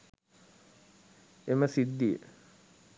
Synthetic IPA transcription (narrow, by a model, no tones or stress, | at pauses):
eməsid̪ːijə̰